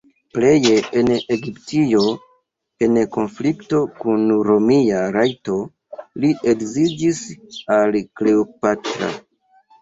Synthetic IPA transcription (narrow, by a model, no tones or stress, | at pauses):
ple̞jeeneɡiptijo̞ | enko̞nflikto̞kunɾo̞miaɾajto̞ | liʔekzid͡ʒisalkle̞opatɾa̰